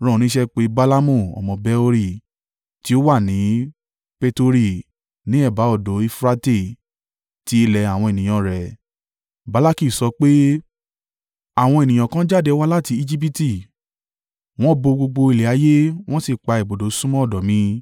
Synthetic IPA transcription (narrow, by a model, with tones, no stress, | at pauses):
ɾ̃ɔ̃˨nĩ˨˦ʃɛ˦k͡pe˨˦ba˦la˦mũ˦˨ɔ̰˨mɔ̃˨bɛ˨˦o˧ɾi˦˨ | ti˨˦o˦wa˦˨nĩ˨˦ | pe˧to˧ɾi˦˨ | nĩ˨˦ɛ˦˨ba˨˦ɔ˦˨do˨˦i˧fɾa˦te˦˨ | ti˨˦e˧lɛ˧a˨w̃ɔ̃˧e˨nĩ˨j̃ã˨ɾɛ˨ | ba˨˦la˦ki˦˨sɔ˧k͡pe˦ | a˦˨w̃ɔ̃˧e˨nĩ˨j̃ã˨kã˦d͡ʒa˦˨de˨˧˦wa˦la˦˨ti˧i˦˧d͡ʒi˦p̬i˦ti˦˨ | w̃ɔ̃˦bo˧ɡ͡bo˧ɡ͡bo˧i˧˨le˨a˨˦je˦w̃ɔ̃˦si˦˨k͡pa˧i˨bo˨do˨˦sũ˦mɔ̃˦ɔ˦˨dɔ˨mĩ˧˦